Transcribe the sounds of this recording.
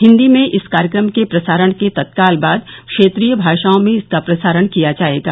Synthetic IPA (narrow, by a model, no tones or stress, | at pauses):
ɦɪ̃nd̪imẽʔɪskaːɾjəkɾəmkepɾɐsaːɾəɽ̃ket̪ɐt̪̚kaːlbaːd̪kʃeːt̪ɾiːjəbʱaːʃaːõmẽɪskapɾɐsaːɾəɽ̃kijad͡ʒaːɦeɡa̰ː